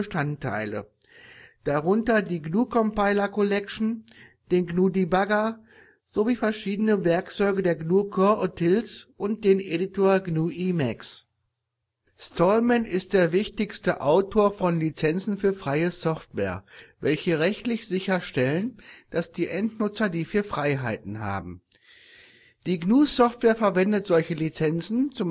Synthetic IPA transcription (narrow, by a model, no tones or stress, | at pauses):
əʃtantʰːa̰ɪlə̰ | d̥aʁʊntɐdiːɡnuːkʰɔmpaɪlɐkɔlɛkʃn̩ | d̥eːnɡnuːdibaɡɐ | z̥oviːfɛɐʃiːdənəvɛɐkt͡sɔʏɡədeːɐɡnuːkʰɔɐʔotʰɪlsʔʊnt̚d̥eːnʔeditʰoːɐɡnuːʔiːmɛks | stʰɔlmɛnɪst̚d̥eːɐvɪçtɪçstəʔaʊtʰoːɐfɔnlit͡sɛnt͡sn̩fyːɐfʁ̥aɪəsɔftv̥ɛ̰ːɐvɛlçəʁɛçtlɪçz̥ɪçɐʃtɛlənd̥asd̥iːʔɛntnʊt͡sɐdiːfiːɐfʁ̥aɪɦaɪtn̩ɦa̰ːbm̩ | d̥iːɡnuːsɔftv̥ɛːɐfɛɐvɛndətz̥ɔlçəlit͡sɛnt͡sn̩t͡sʊm